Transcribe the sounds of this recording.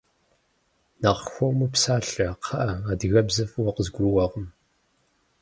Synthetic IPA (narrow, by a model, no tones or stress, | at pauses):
naːʁxʷɔwmɨpsaːɬɐqʰɐʔɐaːdɨɣɐbzɐfwɔqəzɡʷʊrɨwɐʁəm